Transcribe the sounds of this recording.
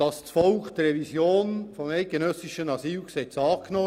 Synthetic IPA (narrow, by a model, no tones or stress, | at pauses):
d̥ɑst͡sfɔlkt̪ɾɛvisjoːnfɔmæɪt̚ɡ̥enœsɪʃənɑsiːlksɛt͡sɑːknɔ